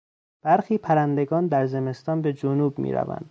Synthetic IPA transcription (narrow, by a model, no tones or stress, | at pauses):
b̥æɾxiːpʰæɾænd̪e̞ɡɒːnd̪æɾze̞me̞st̪ɒːnbe̞d͡ʒonuːbmḭːɾæ̰væ̰nd̪̥